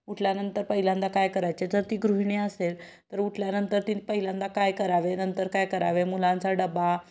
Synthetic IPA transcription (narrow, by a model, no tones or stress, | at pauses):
uʈʰljanənt̪əɾpəɦilãnd̪akajkəɾajt͡ɕed͡zəɾt̪iːɡɾuɦiɳeəsel | t̪əɾuʈʰljanənt̪əɾt̪ipəɦilãnd̪akajkəɾaʋenənt̪əɾkajkəɾa̰ʋemulãnt͡saɖəba